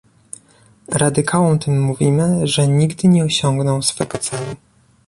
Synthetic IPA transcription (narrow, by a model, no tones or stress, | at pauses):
ɾad̪ɘkʰawɔ̃w̃t̪ʰɘmːuvʲimɘʐɛɲiɡd̪ɘɲɛɔɕɔ̃ŋɡnɔ̃w̃sfɛɡɔt̪sɛlu